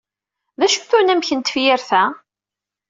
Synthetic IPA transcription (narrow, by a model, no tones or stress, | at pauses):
ðæʃθunæmçənt̪ə̥fjɪɾθæ